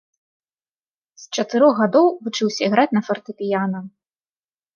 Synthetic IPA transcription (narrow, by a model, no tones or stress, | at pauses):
st͡ʂɐt̪ɨɾɔɣɣad̪ɔwvut͡ʂɨwsʲɐiɣɾat͡sʲnɐfɐrt̪ɨpʲijanɐ